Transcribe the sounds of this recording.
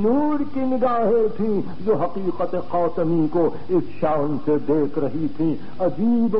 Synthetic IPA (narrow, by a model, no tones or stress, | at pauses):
nuːɽkinɪɡaːɦet̪ʰĩ | d͡ʒoːɦɐqiːqət̪eqaːt̪əmiko | ɪsʃaːnsed̪eːkʰɾɐɦit̪ʰĩː | ɐd͡ʒiːb